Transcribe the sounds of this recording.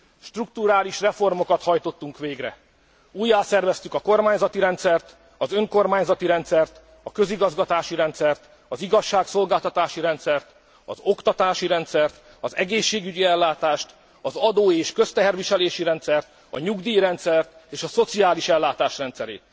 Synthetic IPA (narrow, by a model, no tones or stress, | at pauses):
ʃt̪ruk̚t̪uɾaːliʃrɛfo̞rmo̞kɒt̪hɒjt̪o̞t̪ːuŋkʋeːɡrɛ̰ | uːjːaːsɛrvɛst̪ykɒko̞rmaːɲzɒt̪iɾɛnt̪sɛrt̪ | ɒzøŋko̞rmaːɲzɒt̪iɾɛnt̪sɛrt̪ | ɒkø̞ziɡɒzɡɒt̪aːʃiɾɛnt̪sɛrt̪ | ɒziɡɒʃːaːkso̞lɡaːlt̪ɒt̪aːʃiɾɛnt̪sɛrt̪ | ɒ̰zo̞kt̪ɒt̪aːʃiɾɛnt̪sɛrt̪ | ɒzɛɡeːʃːeːɡyɟiɛlːaːt̪aːʃt̪ | ɒzɒd̪oːeːʃkø̞st̪ɛɦɛrviʃɛleːʃiɾɛnt̪sɛrt̪ | ɒ̰ɲuɡd̪iːɾɛnt̪sɛrt̪eːʃɒso̞t̪siaːliʃɛlːaːt̪aːʃrɛnt̪sɛɾḛːt̪̚